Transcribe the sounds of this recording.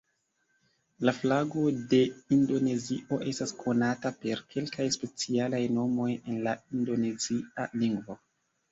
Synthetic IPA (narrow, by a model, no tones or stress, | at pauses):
laflaɡo̞de̞indo̞ne̞ziʔo̞ʔe̞staskʰo̞natape̞ɾkʰe̞lkajspe̞t͡sialajno̞mo̞je̞nlaindo̞ne̞zia̰liŋɡvo̞